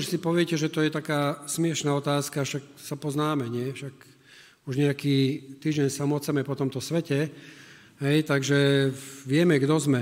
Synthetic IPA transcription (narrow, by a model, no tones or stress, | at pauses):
uʃsipɔʋɪɛcɛʒɛt̪ɔjɛt̪akaːsmɪɛʃnaːɔt̪aːskaʃaksapɔznaːmɛɲɪɛfʃak | uʒɲɛakiːt̪iːʒɟɛnsamɔt͡sɛmɛpɔt̪ɔmt̪ɔsʋɛcɛ | ɦɛjt̪aɡʒɛʋɪɛmɛɡd̪ɔzmɛ